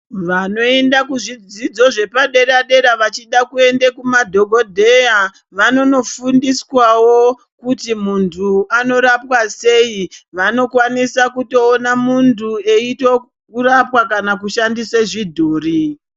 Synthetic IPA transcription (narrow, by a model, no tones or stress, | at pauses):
ʋano̞e̞ndakuʐid͡zid͡zo̞ʐe̞paɗe̞ɾaɗe̞ɾaʋat͡ʃiɗakue̞ndekumadʱo̞ɡʱo̞dʱe̞ja | ʋano̞no̞fundiswawo | kutimuntʰuano̞ɾapwase̞iʋano̞kwanisakuto̞ːnamuntʰue̞itwo | kurapwakanakuʃandiseʐidʱoːri